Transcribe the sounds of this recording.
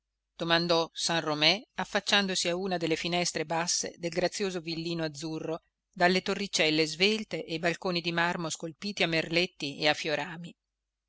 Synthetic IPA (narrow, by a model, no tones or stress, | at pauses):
d̪̥omand̪ɔsanromɛafːat͡ʃːand̪osiauːnad̪elːefinɛst̪ɾebasːḛd̪elɡɾat̪sːjoːzovilːiːnoad̪zːurːo | d̪alːet̪orːit͡ʃːɛlːezvelt̪eʔebalkoːnid̪imarmoskolpiːt̪iamːerlet̪ːiḛafːjoɾaːmi